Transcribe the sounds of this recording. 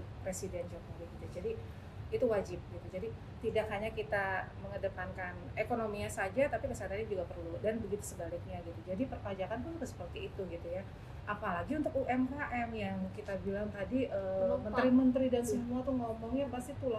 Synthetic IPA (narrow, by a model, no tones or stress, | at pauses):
pɾesidɛnd͡ʒokowiɡit̪ud͡ʒadiː | t̪uwad͡ʒɪp̚ɡit̪ud͡ʒadi | t̪idakɦaɲakit̪aməŋədəpankanekonomiasad͡ʒat̪apipasaat̪anid͡ʒuɡapərludanbəɡit̪u̥səbalɪk̚ɲaɡit̪ud͡ʒadipərpad͡ʒakank̪ukəsə̥pərt̪iːt̪uɡit̪uja | ʔapalaɡiunt̪ʊk̚uʔɛmɦaʔɛmjaŋkit̪abilaŋt̪adiʔəmənt̪ɾimənt̪ɾidansəmuat̪uhŋɔmɔŋɪrpast̪it̪ula